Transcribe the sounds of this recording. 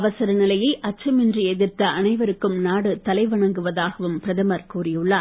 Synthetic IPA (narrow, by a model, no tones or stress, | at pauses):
ʋɐsɐɾɐnɪlɐjɐɪʔɐt͡ʃːɐmɪndriɛðɪrt̪ɐɐnɐɪʋɐɾɯkːɯmnaːɽɯt̪ɐlɐɪʋɐɳɐŋɡɯʋɐðaːɣɐʋɯmpɪɾɐðɐmɐɾkuːɾɪjɯɭːɐ